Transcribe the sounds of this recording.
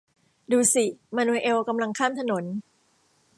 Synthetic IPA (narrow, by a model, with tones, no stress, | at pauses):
duː˧si˨˩maː˧nuː˧ʔe˧wka˧mla˧ŋkʰaː˥˩mt̪ʰa˧no˩˦n